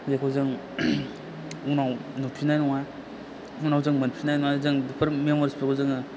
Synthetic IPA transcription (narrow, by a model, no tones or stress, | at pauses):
zakʰozɯŋ | unawnopʰinajnɔŋa | unawzɯŋmanpʰinajnɔŋazɯŋdipʰɐɾmemɔɾispʰekʰɔzɯŋɯ